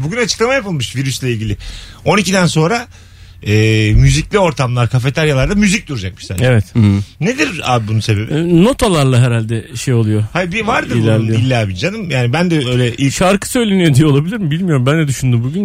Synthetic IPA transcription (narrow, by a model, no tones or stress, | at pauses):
buɟynat͡ʃʰɯklˠamajapɯlˠmɯʃviɾyslʲˠailʲɟʲilʲɪo̞nicid̪ænso̞nɾa | ɛːmyziclʲio̞ɾt̪ʰamlˠaɾkʰafe̞t̪ʰaɾjalˠaɾd̪amyzic̚d̪uɾud͡ʒak̚mɯ̥ʃt̪a̰evɛt̪ne̞d̪iɾa̰ːbbunuse̞be̞bino̞t̪ʰalˠaɾlˠaɦeɾalʲd̪ɛʃejo̞lˠujohajbivaɾd̪ɯilʲæɾlʲijoilʲːabid͡ʒanɯmjaːnibænd̪ɛø̞jlʲɛʔiʃaɾkɯ̥sø̞jlʲenijod̪ijɛlˠabilʲiɾmibilʲmijo̞ɾumbænd̪ɛd̪yʃynd̪ymbuɟyn